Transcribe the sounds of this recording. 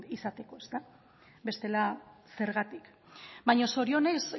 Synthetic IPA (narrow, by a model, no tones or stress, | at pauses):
isat̪e̞ko̞e̞st̪a | be̞st̪e̞lase̞ɾɣat̪ik | bajɲo̞so̞ɾio̞ne̞s